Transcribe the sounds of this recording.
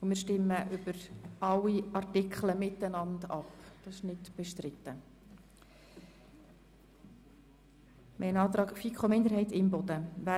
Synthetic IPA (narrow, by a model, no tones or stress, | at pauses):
ʊmɪːɾʃtɪmːəʔʏb̥əɾɑwiɑrtɪkχləmɪtːənɑndɑpd̥ɑsɪʃnɪtb̥ɛʃtɾɪt̪ːə | mʔɛɪnɑːt̪ɾɑːkfikʰχomɪnd̪əɾɦɛɪtɪmbɔd̥əʋæ